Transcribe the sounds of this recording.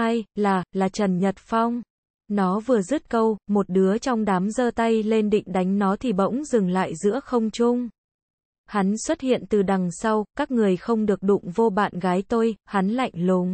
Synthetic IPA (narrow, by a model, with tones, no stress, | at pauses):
aː˧jlaː˨˩laː˨˩t͡ɕə˨˩nɲə˨˩t̚fɔ˧wŋ͡m | nɔ˨˦vɨ˨˩əzɨ˦˥t̚kə˧wmo˨˩t̚ɗɨ˨˦ət͡ɕɔ˧wŋ͡mɗaː˨˦mzəː˧t̪a˧jle˧nɗḭ˧˨ŋ̟ɗa˨˦jŋ̟nɔ˨˦t̪ʰi˨˩ɓə̰˧˥wŋ͡mzɨ˨˩ŋla̰ː˧˨jzɨ̰˧˥əxə˧wŋ͡mt͡ɕʊ˧ŋ͡m | ha˨˦nswə˦˥t̚hḭ˧˨ənt̪ɨ˨˩ɗa˨˩ŋsa˧wkaː˦˥k̚ŋɨ˨˩əjxə˧wŋ͡mɗɨ˨˩ək̚ɗʊ̰˧˨ŋ͡mvo˧ɓa̰ː˧˨nɣaː˨˦jt̪o˧jha˨˦nla̰˧˨jŋ̟lu˨˦ŋ